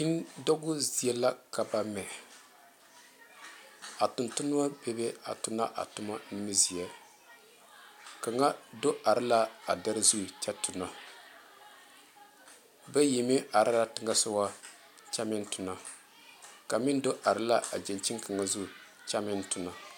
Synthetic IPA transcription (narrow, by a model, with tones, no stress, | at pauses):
i˦n˦dɔ˦ɡʊ˦zi˨ɛ˦la˦ka˨ba˦mɛ˨ | a˨tʊ˨ntʊ˦nʊ˦ma˦be˦be˦a̰˨tʊ˦na˦ʔa̰˨tʊ˦ma˦nɪ˦mi˦zi˨ɛ˨ | ka˨ŋa˦do˦ʔa˨ɾɪ˦la˦a̰˨da˦ɾɪ˦zu˦˨t͡ʃɛ˦tʊ˨na˨ | bɛ˦ji˨mi˦ʔa˨ɾa˦ɾa˦tɪ˦ŋa˦sʊ˦wa˦ | t͡ʃa˦mɪ˦ntʊ˨na˨ | ka˨mɪ˦n˦do˦ʔa˨ɾɪ˦la˦ʔa̰˨d͡ʒe˨nt͡ʃi˦ŋka˨ŋa˨zu˦˨ | t͡ʃa˦mɪ˦ntʊ˨na˨